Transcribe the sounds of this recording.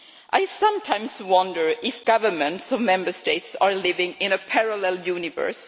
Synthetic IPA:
ʔaɪsʌ̃mtʰãɪ̃mswʌ̃ndə˞ɪfɡ̥ʌvə˞mə̃ntsɔvmɛ̃mbəsteɪtsɑɹlɪvɪ̃ŋɪ̃nəpʰɛɹalɛlˠjʉnɪvə̰˞s

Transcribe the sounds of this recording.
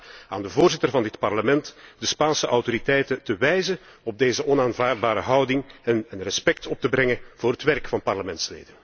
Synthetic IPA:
a̰ːndəvoːrzɪtərvɑndɪtpɑrləmɛntdəspaːnsəʔɑwtoɾitɛjtətəʋɛjzənɔb̚deːjzəʔɔnaːnvaːrd̚baːɾə̰ɦɑwdɪŋɛnənrɛspɛk̚tʰɔp̚təbɾɛŋəv̥ʊːɾɦətʋɛrkfɑnpɑrləmɛntslḛːdən

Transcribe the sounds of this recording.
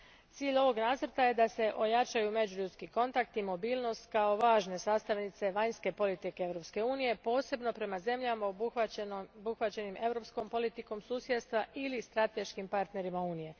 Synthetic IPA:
t̪siːʎo̞ʋo̞ɡnaːzr̩t̪aje̞d̪ase̞ʔo̞jat͡ʃajume̞d͡ʒuʎut̪skiko̞nt̪akt̪imo̞biːlˠno̞st̪kao̞ʋaːʒne̞saːst̪aʋnit̪se̞ʋaɲske̞po̞lit̪ikeeʋɾo̞pske̞uːnije̞po̞ːse̞bno̞pɾe̞maze̞mʎamao | buxʋat͡ɕe̞nimʔe̞vɾo̞psko̞mpo̞lit̪iko̞msuːsje̞d̪st̪ʋaʔilist̪ɾat̪e̞ʃkimpaɾt̪ne̞ɾimauːnije̞

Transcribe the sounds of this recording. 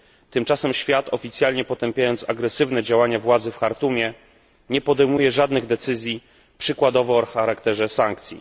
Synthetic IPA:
t̪ɘmt͡ʂasɛmɕfʲjat̪ɔfʲit̪sʲjalɲɛpɔt̪ɛmpʲjajɔnt̪saɡɾɛsɘvnɛd͡ʑawaɲavwad̪zɘfxaɾt̪umʲjɛ | ɲɛpɔd̪ɛjmujɛʐad̪nɘɣd̪ɛt̪sɘzʲji | pʂɘkwad̪ɔvɔɔxaɾakt̪ɛʐɛsaŋk̚t̪sʲjḭ

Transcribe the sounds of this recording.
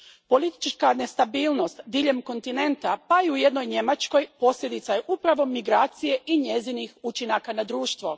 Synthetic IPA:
po̞lit̪i̥t͡ʃkane̞st̪abiːlno̞st̪d̪iʎe̞mko̞nt̪ine̞nt̪apaiuje̞d̪no̞jɲe̞mat͡ʃko̞jpo̞sʎʲe̞d̪it̪saje̞ʔupɾaʋo̞miɡɾaːt̪sije̞ʔiɲe̞zinixut͡ʃinakanad̪ɾuːʃt̪ʋo̞

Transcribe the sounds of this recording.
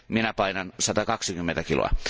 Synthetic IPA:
minæpɑinɑnsɑt̪ɑkɑksikymːent̪ækilo̰ɑ̰

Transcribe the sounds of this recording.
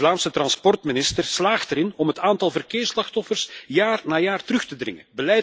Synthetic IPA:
laːmsətrɑnspɔrtmɪnɪstərslaːxtɛɾɪnɔmɦətaːntɑlˠvərkɪːrslɑxtɔfərsjaːrnaːjaːrtərɵxtədrɪ̰ŋə̰bəlɛj

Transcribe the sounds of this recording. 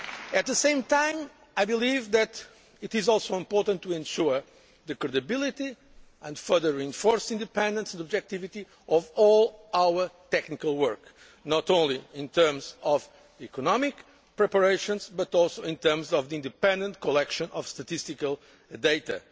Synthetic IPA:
ɨt̪̚ðɨsẽɪ̃mt̪ãɪ̃m | ajbɨlivðɨt̪ | ɨt̪ɪzɔlˠsowɪ̃mpɔɾt̪ə̃nt̪ːuɛ̃nʃuɹ | ðɨkɾɨd̪ɨbilˠit̪i | ɛ̃ndfɜ˞ðəɹiɨ̃nfɔɹsĩnd̪ɨpɛ̃nd̪ə̃nsndɔbd͡ʒɛk̚t̪ivit̪i | ɔvɔlˠawə˞t̪ɛknikalˠwɜ˞k | nɔt̪õʊ̃nliĩnt̪ʰɜ˞mzɔv | ikɔnɔmɪk | pɹɛpəɹeɪʃə̃nzbɐt̪ɔlˠsoĩnt̪ɜɾmzɔvðiĩnd̪ɨpɛ̃nd̪ə̃nt̚kʰɔlɛkʃɔ̃nʔɔ̰v̥st̪ɐt̪ist̪ikalˠ | d̪eɪt̪ɐ̰

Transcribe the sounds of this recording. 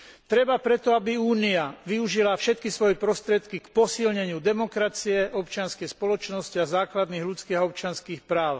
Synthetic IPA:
t̪ɾɛbapɾɛt̪ɔabiuːniaʋiuʒilafʃɛt̪̚kisʋɔjɛpɾɔst̪ɾɪɛt̪kikpɔsilɲɛɲɪud̪ɛmɔkɾat͡siɛɔpt͡ʃɪanskɛjspɔlɔt͡ʃnɔsciazaːklad̪niːɣlut͡skiːɦaɔp̚t͡ʃɪanskiːxpɾaːʊ

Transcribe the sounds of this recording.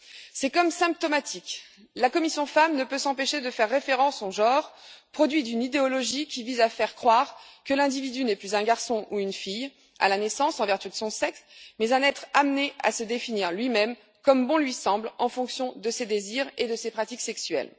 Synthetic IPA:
sɛkɔmsɛ̃p̚t̪ɔmat̪ʰik | lakɔmisjɔ̃famnəpøsɑ̃peʃed̪əfɛʁːefeʁɑ̃sɔ̃ʒɑ̃ʁpχɔd̪ɥid̪ynid̪eɔlɔʒikʲivizafɛʁkχwaʁkəlɛ̃d̪ivid̪ynɛplyzɛ̃ɡaʁsɔ̃ʔuynfij | a̰lanɛsɑ̃sɑ̃vɛʁt̪yd̪əsɔ̃sɛksmɛzɛ̃nɛt̪χamnea̰səd̪efiniʁlɥimɛm | kɔmbɔ̃lɥisɑ̃blɑ̃fɔ̃ksjɔ̃d̪əsed̪eziʁed̪əsepχat̪iksɛksɥɛ̰l

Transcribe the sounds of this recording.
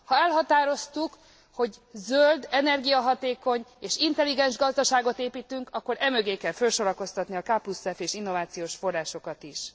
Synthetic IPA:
hɒɛlɦɒt̪aːɾo̞st̪uk | ho̞ɟzøld̪ɛnɛrɡijɒɦɒt̪eːko̞ɲeːʃint̪ɛliɡɛnʒɡɒzd̪ɒʃaːɡo̞t̪eːpiːt̪yŋkɒkːo̞ɾɛmøɡeːkɛlfølʃo̞ɾɒko̞st̪ɒt̪niɒkaːpusɛfeːʃinːo̞vaːt̪sijoːʃfo̞rːaːʃo̞kɒt̪iʃ

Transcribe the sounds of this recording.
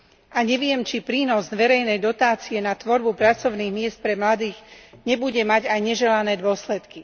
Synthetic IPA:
ʔaɲɛʋɪɛmt͡ʃipɾiːnɔzd̪ʋɛɾɛjnɛjd̪ɔt̪aːt͡siɛnat̪ʋɔɾbupɾat͡sɔʊniːɣmɪɛst̪̚pɾɛmlad̪iːɣɲɛbuɟɛmaɟajɲɛʒɛlanɛːd̪ʊɔslɛt̪ki

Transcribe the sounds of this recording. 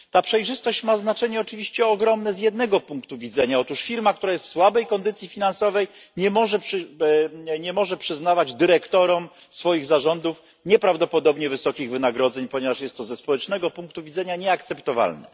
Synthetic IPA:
t̪apʂɛjʐɘst̪ɔɕt͡ɕmaznat͡ʂɛɲɛɔt͡ʂɘvʲiɕt͡ɕɛɔɡɾɔmnɛzjɛd̪nɛɡɔpuŋkt̪uvʲid̪zɛɲaɔt̪uʂfʲiɾmak̚t̪uɾajɛst̪fswabɛjkɔnd̪ɘt̪sʲjifʲinansɔvɛj | ɲɛmɔʐɛpʂ | ɲɛmɔʐɛpʂɘznavad͡ʑd̪ɘɾɛkt̪ɔɾɔm | sfɔjiɣzaʐɔnd̪uf | ɲɛpɾavd̪ɔpɔd̪ɔbɲɛvɘsɔkʲiɣvɘnaɡɾɔd̪zɛɲpɔɲɛvaʂjɛst̪ːɔzɛspɔwɛt͡ʂnɛɡɔpuŋk̚t̪uvʲid̪zɛɲaɲɛakt̪sɛpt̪ɔva̰lnɛ̰

